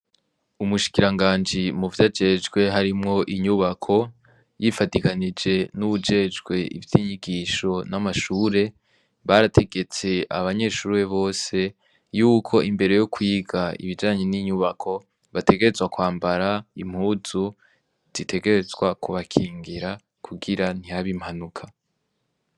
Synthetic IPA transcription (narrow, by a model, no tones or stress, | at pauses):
umuʃi̥kiɾaŋɡaːnd͡ʒimuvjad͡ʒe̞d͡ʒɡwe̞ɦaɾimŋo̞ʔiɲuβakʰo̞ | jifatikanid͡ʒe̞nuβud͡ʒe̞d͡ʒɡwe̞ḭvjiːɲiɡiːʃo̞namaʃuːɾe̞ | βaɾatʰe̞ɡe̞t͡se̞aβaɲe̞ʃuːɾe̞βo̞ːse̞ | juːkʰo̞ʔimbe̞ɾe̞jo̞kwiːɡaḭβid͡ʒaːɲe̞niɲuβakʰo̞ | βate̞ɡe̞ɾe̞zwakwaːmbaɾaim̥huːzu | z̥itʰe̞ɡe̞ɾe̞zɡwakuβakʰiːŋɡiɾa | kʰuɡiɾan̥ijaβimhanukʰa